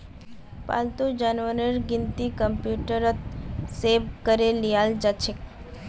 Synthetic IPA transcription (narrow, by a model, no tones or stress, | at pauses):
pa̰lt̪ud͡ʒanʋənəɾɡɪnt̪ikəmpjuʈəɾət̪̚seʋkəɾelijald͡ʒat͡ʃʰek